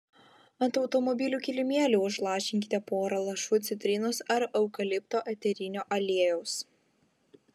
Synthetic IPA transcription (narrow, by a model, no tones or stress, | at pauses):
ɐnt̪ɒʊt̪ɔmɔbʲɪlʲuːkʲɪlʲɪmʲeːlʲuːʊʃlˠɑːʃʲɪŋʲkʲɪt̪ʲepoːɾɐlˠɐʃut̪sʲɪt̪ʲɾʲɪnʊsɐɾɐʊkɐlʲɪpt̪oːʔɛt̪ʲɛɾʲɪnʲoːʔɐlʲeɛjɛʊs